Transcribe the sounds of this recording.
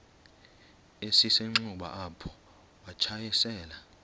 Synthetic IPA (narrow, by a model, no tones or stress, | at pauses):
esiseŋ͡ǀuɓa̰ʔapʰɔ̥ | wat͡ʃʰajɛsɛːla